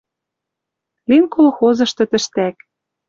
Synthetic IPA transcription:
linkolxozɤ̆ʃt̪ɤ̆t̪ɘ̆ʃt̪æk

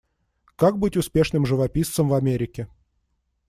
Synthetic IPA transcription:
kak̚bɨtʲʊspʲe̞ʂnɨmʐɨvɐpʲist̪səmvɐmʲeɾʲɪkʲɪ

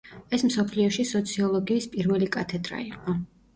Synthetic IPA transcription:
ɛsmsɔpʰliɔʃisɔt̪sʰiɔlˠɔɡiːspʼiɾvɛlikʼat̪ʰɛd̪ɾa̰iqʼɔ

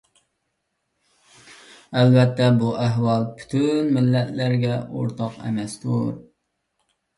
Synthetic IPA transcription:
ælvɛt̪ʰːɛbuʔæɦwɑlˠpʰy̥t̪ʰynmɪlːɛt̪læɾɡʲɛo̰ɾt̪ʰɑqɛ̰mɛst̪uɾ

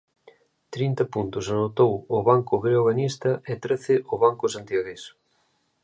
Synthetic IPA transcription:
t̪ɾint̪ɐpunt̪ʊsanot̪owʊβaŋkʊɣɾeoɣanist̪ɐʔɛt̪ɾeθɪʔʊβaŋkʊsant̪jaɣes

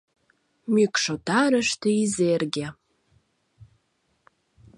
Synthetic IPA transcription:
mikʰʼʂotʰaɾɨʂtʰɨizeːrɡʲa

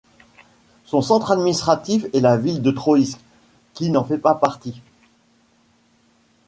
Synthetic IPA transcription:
sɔ̃sɑ̃t̪χad̪minist̪χat̪ifɛlavild̪ət̪χoisk | kʲinɑ̃fɛpapaʁt̪i

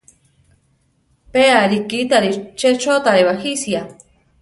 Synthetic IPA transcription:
peaɾikit̪aɾit͡ʃet͡ʃot̪aɾeβaxisja

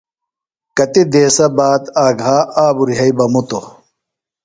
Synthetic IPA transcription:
kɐt̪id̪eːsɐbaːt̪aːɡaːaːbuɾiɦɐibɐmut̪o

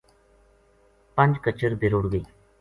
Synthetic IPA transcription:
pə̃ɲd͡ʒkət͡ʃəɾbʱɪɾʊɽɡəiː

